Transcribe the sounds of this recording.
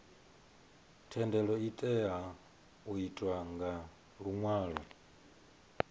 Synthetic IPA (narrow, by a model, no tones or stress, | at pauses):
tʰɛndɛlɔitʼɛa | uitʼwaŋɡa | ɺuŋwaːɺɔ